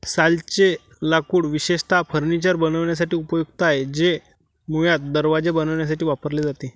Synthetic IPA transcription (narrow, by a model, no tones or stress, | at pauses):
salt͡ɕe | lakuːɽʋiɕeʂt̪ʰafʰəɾnit͡ɕaɾbənəʋɳjas̬aʈiːupəjuɡt̪aaɦed͡ʑe | mujat̪̚d̪əɾʋad͡zebənəʋɳjas̬aʈiːʋapəɾled͡zat̪e